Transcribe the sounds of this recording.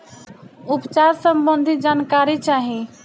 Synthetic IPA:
upt͡ʃaɾsəmbənd̪ʱid͡ʒaːnkaːɾit͡ʃaːɦĩ

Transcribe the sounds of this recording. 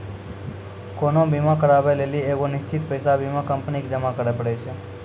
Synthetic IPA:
konobimãkəɾaʋelelieʋonɪʃt͡ʃit̪̚pəjsabimãkəmpnikd͡ʒəmakəɾepəɽet͡ʃʰe

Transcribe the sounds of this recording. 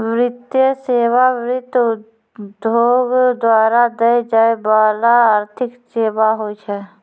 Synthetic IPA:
ʋɾɪt̪jəseːʋaʋɾɪt̪ | d̪ʱoːɡd̪waːɾad̪əjd͡ʒaːebaːlaaːɾt̪ʰɪkseːbaɦoːt͡ʃʰɛ

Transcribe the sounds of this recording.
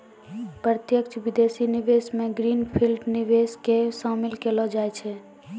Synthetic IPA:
pɾət̪jəkt͡ʃʰʋid̪esiniʋesmẽɡɾinpʰilɖniʋeskesamilkelɔd͡ʒajt͡ʃʰɛ

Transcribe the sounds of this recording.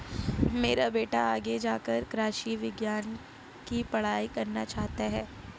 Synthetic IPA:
meːɾabeːʈaaːɡed͡ʒaːkəɾkɾaːʃiʋɪɡjaːn | kipɐɽ̤aːikɐɾnat͡ʃaːɦt̪aɦɛː

